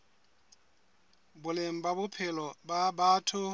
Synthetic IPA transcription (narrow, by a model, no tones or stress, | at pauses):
bʊlem̩babʊpʰɪlɔbabatʰʊ